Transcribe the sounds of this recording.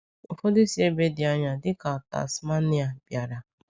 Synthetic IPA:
ʊ˨fʊ˦dɪ˦si˦e˦be˦dɪ˨a˦ɲa˨dɪ˦ka˨ɔ˨ta̰˨sma˦nɪ˦a˨b̥ja˨ɾa˨

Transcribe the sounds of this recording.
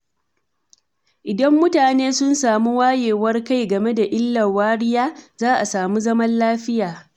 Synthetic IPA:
ʔɪ˨dɐ˦mːʊ˦taː˨neː˦sʊ˦nsaː˨mu˦waː˦jeː˨wɐ˦rka˦jɡɐ˨me˦da˨ʔɪ˦lːɐ˨waː˦ɽɪ˦jaː˦zaː˦ʔa˨saː˨mu˦zɐ˦mɐ˦nlaː˦ɸɪ˦jaː˨

